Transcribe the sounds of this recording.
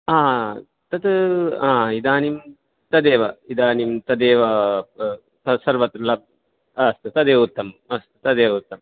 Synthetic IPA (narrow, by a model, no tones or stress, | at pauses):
aː | t̪ɐt̪ãːid̪aːnim | t̪ɐd̪eːʋɐid̪aːnimt̪ɐd̪eːʋɐ | t̪ɐsɐɾʋɐt̪ɾlɐb̚ | ɐst̪ɨt̪ɐd̪eːʋut̪ːɐmɐst̪ɨ̥t̪ɐd̪eːʋɐut̪ːɐm